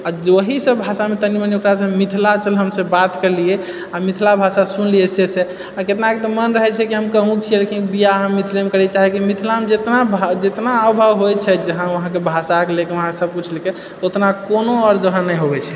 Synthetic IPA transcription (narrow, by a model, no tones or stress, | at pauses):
ad͡ʒoɦisəbbʱasamet̪əniməniokɾasə̃mit̪ʰlat͡ʃəlɦəmsə̃bat̪kəɾlie | amit̪ʰlabʱasasunliɛsese | aket̪naket̪ɔmənɾəɦɛt͡ʃʰɛkiɦəmkəɦũkt͡ʃʰielekʰĩkbijaɦəmːit̪ʰlemekəɾɛt͡ʃaɦɛkimit̪ʰlamed͡ʒet̪nabʱd͡ʒet̪naəwbʱəwɦojt͡ʃʰɛd͡ʒəɦãəɦãkebʱasakelekeʋəɦãksəb̚kut͡ʃʰleke | ot̪nakonoɔɾd͡ʒəɦãnəiɦobɛt͡ʃʰɛ̥